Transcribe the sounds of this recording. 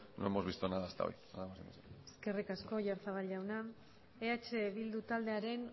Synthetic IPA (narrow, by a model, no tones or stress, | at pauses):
noemozβist̪onaðast̪a̰o̰j | aðamasḭmoseeske̞rikasko̞ʝaɾt͡saβalɟawna | eat͡ʃeβild̪ut̪ald̪e̞aɾe̞n